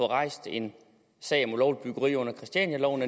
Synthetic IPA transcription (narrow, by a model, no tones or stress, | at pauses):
ɒ̽ʁɑ̈ɪ̰sd̥e̝n | sɛ̰ɪɒ̽mulɒʊlib̥yɡ̥ɐʁḭːɔ̽n̰ɐkʰʁisd̥jænælɒʊne